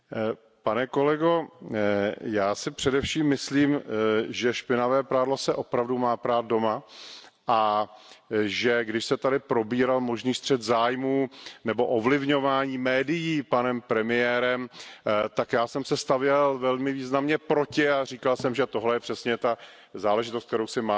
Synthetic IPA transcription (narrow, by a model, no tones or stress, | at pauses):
panɛko̞lɛɡo̞ | jaːsɪpr̝̥ɛdɛfʃiːmːɪsliːmʒɛʃpɪnavɛːpɾaːdlosɛʔo̞pɾavdumaːpɾaːt̪̚do̞ma | ʔa | ʒɛɡdɪʃsɛt̪adɪpɾo̞biːɾalmo̞ʒniːst̪r̝̥ɛt̪zaːjmuːnɛbo̞ʔovlɪvɲo̞vaːɲiːmɛːdɪjiːpanɛmpɾɛmɪjɛːɾɛmt̪akjaːsɛmsɛst̪avjɛlvɛlmɪviːznamɲɛpɾo̞cɪarikalsɛmʒɛt̪o̞ɦlɛjɛpr̥ɛsɲɛt̪a | zaːlɛʒɪt̪ost̪k̚t̪ɛɾowsɪmaː